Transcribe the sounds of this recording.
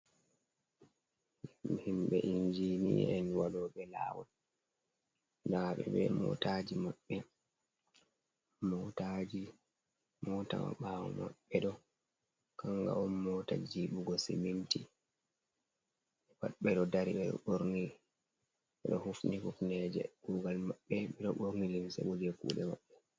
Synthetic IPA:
himɓɛʔiɲd͡ʒiniɛnwalɔːɓɛla̰ːwɔ | daɓɛɓɛmɔ̰tad͡ʒimaɓːɛ | mɔtad͡ʒi | mɔːtawa̰ɓaːwɔma̰ɓːɛɗɔ | kaŋɡa̰ɔnːɔtad͡ʒiɓuɡɔsiminti | ɛbaɓɛɗɔdaɾiɗɛɔ̰ɓoɾni | ɛɗɔhufnihuknɛd͡ʒɛ̰ɡ̥uːɡalmaɓːɛɓɛɗɔɓoɾnilimsɛ̰ɓud͡ʒɛkṵːɗɛma̰ɓːɛ

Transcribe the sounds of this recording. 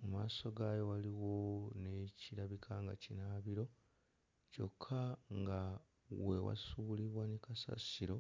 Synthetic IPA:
umaːso̞ɡaːjo̞waliwo̞neciɾaβikʰaŋɡacinaːβiɾo̞ | co̞kʰːaŋɡa | wewa̰suliβwanekasa̰siɾo̞

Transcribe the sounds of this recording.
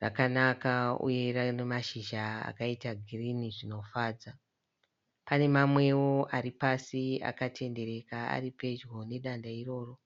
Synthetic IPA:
ra̰kanakaṵje̞ranemaʃiʒaa̰kaitaɡʱiriniʐino̞faːd͡za | pane̞mamwe̞wo̞aɾipasia̰katʰe̞nde̞ɾe̞kaa̰ɾipe̞d͡ʒɣo̞ne̞ɗandairo̞ːro̞

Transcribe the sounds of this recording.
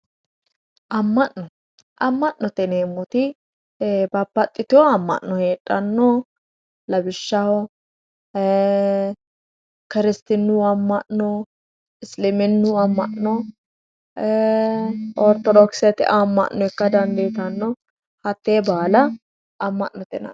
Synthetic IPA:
ʔɐmːɐʔːɔ | ʔɐmːɐʔːɔt̪ɛneːmːɔt̪ɪ | bɐbːɐt̪ʼːɪt̪ɪɔɐmːɐ̰ʔnːɔheːtʼːɐnːɔ | lɐbɪʃːɐhɔ | kɪɾɪst̪ɪnːuɐmːɐʔɔ | ɪslɪmɪnːuɐmːɐʔnɔ | ʔɔɾt̪ɔd̪ɔksɪɐt̪ɪ̰ʔɐmːɐ̰ʔnːɔɛkːɐd̪ɐnd̪eːt̪ɐnːɔ | hɐt̪ːeːbaːlɐ | ɐmːɐ̰ʔːɔt̪ɛnɐ̰

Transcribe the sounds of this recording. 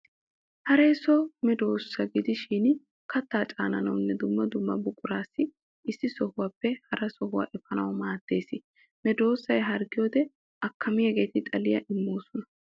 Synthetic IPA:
hɐɾeːsɔmɛd̪o̞ːsːɐɡɪd̪ɪʃiːn | kɐt̪ːaːt͡ʃʼa̰ːnɐnɐwʊnːɛd̪ʊmːɐd̪ʊmːɐbʊkʼʊɾaːsːɪ | ɪsːɪsɔhʊwaːpːɛhɐɾɐsɔhʊwa̰ʔɛfɐnɐ̰wɐmaːt̪ːe̞ːsɪ | mɛd̪o̞ːsːɐjɦɐɾɡɪjoːd̪ɛ | ɐkʰːɐmɪjɐɡe̞ːt̪ɪt̪ʼɐlɪjɐʔɪmːoːsɔnɐ

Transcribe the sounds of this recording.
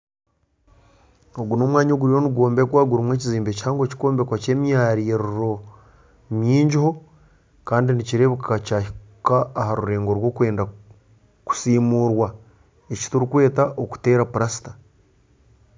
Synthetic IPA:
o̞ɡuno̞ːmwaːɲo̞ɡuɾijo̞nuɡo̞ːmbe̞kwaːɡuɾimwe̞ːciziːmbe̞chaːŋɡoci̥ko̞ːmbe̞kwace̞ːmjaɾiːɾuɾo̞ | mjiːɲɟiho̞ | kaːndiniciɾe̞ːβukʰacahikaːhaɾuɾe̞ːŋɡo̞ɾwo̞ːkwe̞ːnda | ku̥siːmuːɾwa | eci̥tuɾikwe̞ːtaʔoku̥te̞ːɾapuɾasi̥tḁ

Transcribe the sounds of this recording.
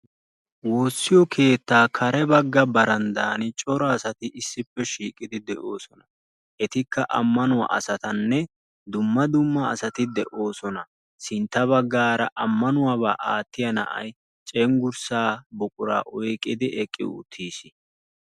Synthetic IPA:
wo̞ːsːɪjɔkʰe̞ːt̪ːaːkʰɐɾɛbɐɡːɐbɐɾɐnd̪aːnɪt͡ʃʼɔɾɐːsɐt̪ɪʔɪsːɪpːɛʃiːkʼɪd̪ɪd̪ɛʔo̞ːsɔnɐ | ʔɛt̪ɪkːɐʔɐ̰mːɐnʊwa̰ʔɐ̰sɐt̪ɐnːɛ | d̪ʊmːɐd̪ʊmːɐ̰ːsɐt̪ɪd̪ɛʔo̞ːsɔnɐ | sɪnt̪ːɐβɐɡːaːɾɐʔɐmːɐnʊwaːβaːʔaːt̪ːɪjɐnɐ̰ʔɐ̰j | t͡ʃʼɛŋɡʊɾsaːbɔkʼʊɾa̰ːʔɔjkʼɪd̪ɪʔɛkʼːɪ̰ʊ̰t̪ʰːiːsɪ̥

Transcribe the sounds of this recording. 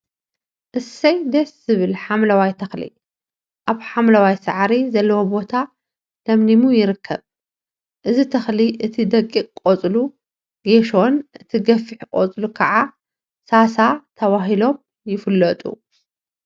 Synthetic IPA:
ʔɨsɐjd̪eszɨβɨlħamlɐwajt̪ʰɐxlḭ | ʔaβħamlɐwajsaʕɾizɐlːɐwobo̞t̪ʰa | d̪̥ɐmnimujɪɾɨkʰːɐ̰β | ʔɨzit̪ʰɐxliʔɨt̪ʰid̪ɐkʼːikʼkʼot͡sʼlu | ɡeʃo̞nʔɨt̪ʰiɡɐfiħkʼo̰t͡sʼlukʰɐʕa | sasat̪ʰɐβaɦilo̞m | jɪfɨlːɐt̪ʼṵ

